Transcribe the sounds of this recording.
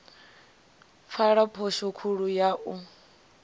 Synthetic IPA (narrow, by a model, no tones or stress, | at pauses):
faɺapʰoʃɔkʰuɺujaʔu